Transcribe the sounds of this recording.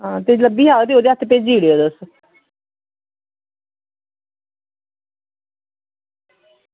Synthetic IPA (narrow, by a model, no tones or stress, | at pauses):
ɦãːt̪eːləbiːɦaːɡt̪eoːd̪eːət̪ʰpeːd͡ʒiːɽeoːd̪əs